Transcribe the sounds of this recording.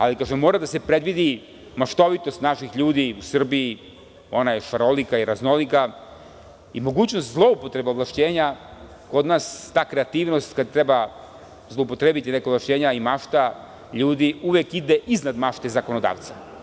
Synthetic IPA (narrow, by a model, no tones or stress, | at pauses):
a̰likaːʒemːoɾad̪ase̞pɾe̞d̪ʋid̪i | maʃt̪o̞ʋit̪o̞st̪naʃixʎuːd̪iusr̩bii | o̞najeʃaɾo̞likaiɾazno̞lika | imo̞ɡuːt͡ɕnost̪zlˠo̞upo̞t̪ɾe̞beolˠaʃt͡ɕeːɲa | ko̞d̪naːst̪aːkɾe̞at̪iːʋno̞st̪kad̪̚t̪ɾeba | zlˠoupo̞t̪ɾebit̪inekavlaʃt͡ɕeːɲaimaʃt̪a | ʎuːd̪iuʋekid̪eʔiznad̪maʃt̪e̞zako̞no̞d̪a̰ːʋt̪sa